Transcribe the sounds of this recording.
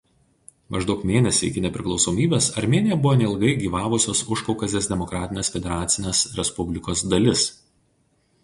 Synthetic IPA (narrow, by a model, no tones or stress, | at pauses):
mʔɐʒd̪ɒʊkmʲeːnʲɛsʲɪ̰ɪkʲɪnʲɛpʲɾʲɪklˠɒʊsoːmʲiːbʲeːsɐɾʲmʲeːnʲɪjɛbʊʋoːnʲɛɪlˠɡɐɪɡʲiːʋɑːʋʊsʲoːsʊʃkɒʊkɐzd̪ʲeːsd̪ʲɛmɔkɾɑːt̪ʲɪnʲeːsfʲɛd̪ʲɛɾɑːt̪sʲɪnʲeːsɾʲɛspʊbʲlʲɪkoːsd̪ɐlʲɪs